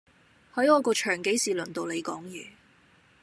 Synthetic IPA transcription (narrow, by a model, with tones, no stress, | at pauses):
hɐ˨˥jɔː˨˧kɔː˧t͡ʃʰœː˨˩ŋke˨˥jsiː˨lɵ˨˩nt̪o˨wle˨˧jkɔː˨˥ŋjyː˨˩